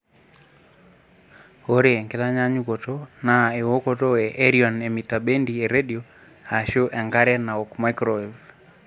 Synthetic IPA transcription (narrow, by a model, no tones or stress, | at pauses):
oɾeɛŋkelaɲaɲukɔtɔnaewokɔtɔɛʔɛɾiɔnɛmitaɓendiɛɾediɔ | haʃoʔɛŋɡaɾɛnaɔkmajkɾɔv